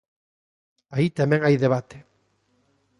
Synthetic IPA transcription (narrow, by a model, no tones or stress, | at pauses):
ait̪amẽŋajðeβ̞at̪e̥